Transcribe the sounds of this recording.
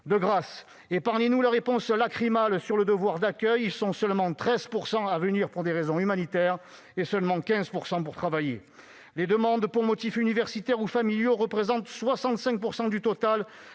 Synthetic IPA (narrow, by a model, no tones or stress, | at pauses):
d̪əɡʁas | epaʁɲenulaʁepɔ̃slakχimalsyʁləd̪əvwaʁd̪akʲœjilsɔ̃sœlmɑ̃t̪χɛzpuʁsɑ̃avəniʁpuʁd̪eʁezɔ̃ymanit̪ɛʁ | esœlmɑ̃kʲɛ̃zpuʁsɑ̃puʁt̪χavajḛ | led̪əmɑ̃d̪puʁmɔt̪ifynivɛʁsit̪ɛʁufamiljoʁəpχezɑ̃t̪swasɑ̃t̪sɛ̃ŋk̚puʁsɑ̃d̪yt̪ɔt̪al